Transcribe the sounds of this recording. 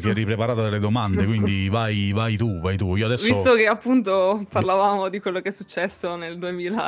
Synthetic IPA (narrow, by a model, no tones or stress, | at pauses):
t̪iɛrːipɾepaɾaːt̪od̪elːed̪omand̪ekwind̪ivajvajt̪uvajt̪uiːoad̪ɛsvːist̪okeapːunt̪oparlavaːmod̪ikwelːokɛsːut͡ʃːɛsːoneld̪uemiːla̰